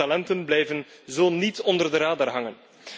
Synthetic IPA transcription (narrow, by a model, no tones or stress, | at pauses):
alɛntənblɛjvənzoːnitɔndərdəɾaːdərɦɑŋən